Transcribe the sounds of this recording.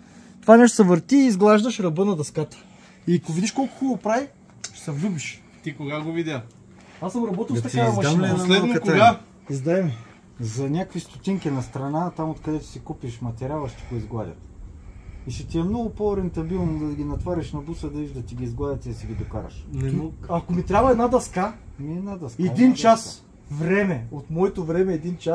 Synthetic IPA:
t̪ovanɛʃt̪o̥sɐvəɾt̪iːzɡlˠaʒd̪ɐʃɾɐbɤnɐd̪ɐskat̪ə̥ | ikovid̪ʲiʃkɔlˠkʊ̥xulˠopɾai | sɐvlʲubiʃ | t̪ikoɡaɡovid̪ʲə | asɡɾɐbɔt̪ilˠt̪ɐt̪amɐaɛlɛɐtkɡa | izd̪aɛmi | zɐnʲakkvist̪ʊt̪ʲiŋkʲinɐst̪ɾɐnat̪amot̪kɐd̪ɛt̪ʊ̥sikupiʃmɐt̪ɛɾʲalˠɐʃt̪i̥ɡoizɡlˠad̪ʲɐ̰t̪ | iʃɛt̪iɛmnɔɡʊpoɾɛnt̪ɐbilˠnd̪ɐɡʲinɐt̪vaɾʲɛʃnɐbusəd̪ɐviʒd̪ɐt̪iɡiːzɡlˠad̪ʲɐt̪id̪ɐsiɡʲid̪oka̰ɾɐ̰ʃnnoɐkomit̪ɾʲabɐɛd̪nad̪ɐskamiɛd̪nad̪ɐskɛad̪int͡ʃas | vɾɛmɛot̪mɔɛt̪ovɾɛmɛːd̪int͡ʃa

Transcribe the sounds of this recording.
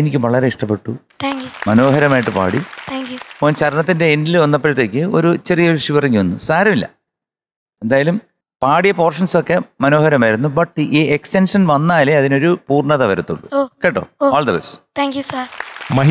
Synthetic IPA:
enikʲːɨʋɐɭɐɾe̞iʂʈɐpːe̞ʈːut̪ʰːŋkjumɐno̞ːɦɐɾɐmaːjiʈːɨpa̰ːɽit̪ʰaːŋkjupoːnt͡ɕɐɾɐɳɐt̪ːinde̞ːndilʋɐnːɐpːeɾut̪ːe̞ːkʲːɨoɾut͡ɕerijɐʋiʂiʋɐrɐŋːiʋɐnːṵsaːɾɐmilːɐ̰ | e̞nd̪aːjɐlum | paːɽijɐpo̞ːrʂɐnso̞kːe̞mɐno̞ːhɐɾɐmaːjiɾunːubɐʈːiːekstenʂɐnʋɐnːaːleɐðino̞ɾupuːrɳɐðɐʋɐɾɐt̪ːṵɭːṵkeːʈːoːoːɭd̪ɐʋest̪ʰaːŋkjusɐɾmɐ

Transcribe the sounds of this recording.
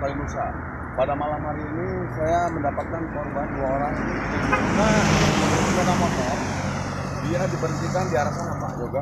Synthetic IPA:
aɾinusa | padamalamɦaɾiːni | sajaməndapat̪̚kankɔrbanduaoɾaŋ | naanusatamɔt̪ɔk | diadipəɾənt̪ikandiaɾapanapa̰d͡ʒoɡa

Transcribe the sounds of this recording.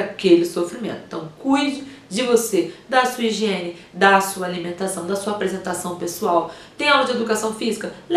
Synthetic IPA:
akelɪsofɾimḛ̃nt̪ʊɪ̥̃t̪ɐ̃w̃kujd͡ʒɪd͡ʒɪvosed̪asuiʒẽnɪ | d̪asuɐalimẽnt̪asɐ̃w̃d̪ɐsuɐapɾezẽnt̪asɐ̃w̃pesuaw | t̪ẽj̃awɡɐ̃d͡ʒɪed̪ukasɐ̃w̃fizikɐl

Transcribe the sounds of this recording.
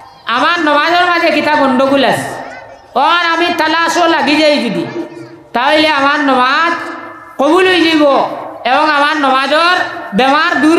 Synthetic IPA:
amanːɔmad͡ʒɔɾmad͡ʒekitabondoɡulas | wokanamitalasolaɡid͡ʒeifidḭ | tawileamanːɔmat | kobuluiliɡoewoŋamanːɔmad͡ʒoɾbemaɾduɾ

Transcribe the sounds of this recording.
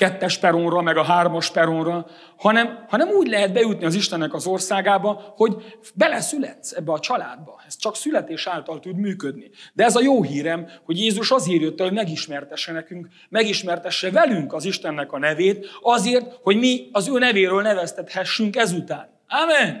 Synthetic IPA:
kɛt̪ːɛʃpɛɾonrɒmɛɡɒɦaːrmɒʃpɛɾonrɒ | hɒnɛmhɒnɛmuːɟlɛɦɛd̪̚bɛjut̪niɒziʃt̪ɛnːɛkɒzo̞rsaːɡaːbɒho̞ɟ | bɛlɛsylɛt̪sɛbːɛɒt͡ʃɒla̰ːd̪̚bɒɛst͡ʃɒksylɛt̪eːʃaːlt̪ɒlt̪ud̪myːkød̪nid̪ɛɛzɒjoːɦiːɾɛmho̞ɟjeːzuʃɒzeːrjøt̪ːɛhoɟmɛɡiʃmɛrt̪ɛʃːɛnɛkyŋk | mɛɡiʃmɛrt̪ɛʃːɛvɛlyŋkɒziʃt̪ɛnːɛkɒnɛveːt̪ɒzeːrt̪ho̞ɟmiɒzøːnɛveːɾøːlnɛvɛst̪ɛt̪hɛʃːyŋkɛzut̪aːn | aːmɛn

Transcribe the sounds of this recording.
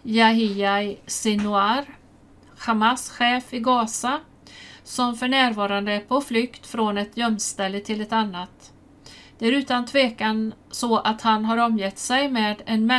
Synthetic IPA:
jaɦɪasɪnʊaɾ | ɧamasɧeːfɪɡɑːsa | sɔmfœɳæːɾvɑːɾand̪əæpʰɔflʏkt̪fɾɔnɛt̪ʰjœmst̪ɛlːət̪ʰɪlɛt̪anːat̪ | d̪̥ɛæɾʉ̟ːt̪ant̪ʰveːkan | sɔʔat̪hanɦaɾɔmjɛt̪ːsɛjmeːd̪ɛnmɛ

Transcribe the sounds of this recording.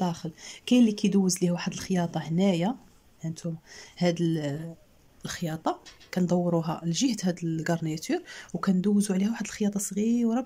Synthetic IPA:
ɑxəlkæjlːikæjd̪uwːəzlihuwaħəd̪əlxjɑt̪ˤɑhnæja | ʕənt̪ʰʊmhæd̪əl | lxjɑt̪ˤɑkænd̪ˤɑwːɾuɦælʒəht̪hæd̪əlɡɑɾˤnit̪yɾwkænd̪uwzuʕlihæwaħəd̪əlxjɑt̪ˤɑsˤɣiwɾˤɑb

